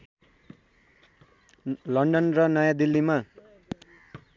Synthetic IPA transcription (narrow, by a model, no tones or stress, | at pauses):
lʌɳɖʌnrʌnʌjãd̪ilːima